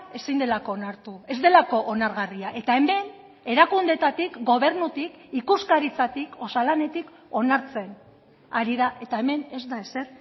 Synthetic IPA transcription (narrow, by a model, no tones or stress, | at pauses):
e̞sijnd̪e̞lako̞ːnaɾt̪ue̞zd̪e̞lako̞ʔonaɾɣariaʔe̞t̪ae̞me̞n | e̞ɾakund̪e̞t̪at̪ikɡo̞β̞e̞ɾnut̪ikikuskaɾit͡sat̪iko̞salane̞t̪ik | o̞naɾt͡se̞n | aɾiðaʔe̞t̪ae̞me̞ne̞zd̪ae̞se̞ɾ